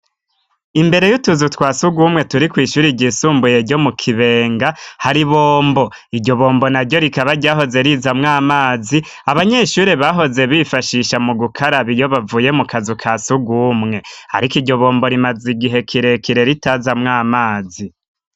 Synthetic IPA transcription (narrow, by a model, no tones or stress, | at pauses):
imbe̞ɾe̞jutuzutwaːsuɡuːmŋe̞tuɾikwiːʃuːɾiɟisuːmbuje̞ɾɟo̞mukʰiβe̞ːŋɡahaɾiβoːmbo̞ | idɟo̞βo̞ːmbo̞naɾɟo̞ɾikaβaɾɟaːɦo̞ze̞ɾizamŋaːmaːzi | aβaɲeʃuːɾeβaɦo̞ze̞βifaʃiʃamuɡukʰaɾaβijo̞βavuːje̞mukʰazukʰaːsuɡumŋe̞ha̰ɾikiɟo̞βoːmbo̞ɾimaziɡiɦe̞kʰiɾe̞kiɾe̞ɾitazamŋaːmaːzi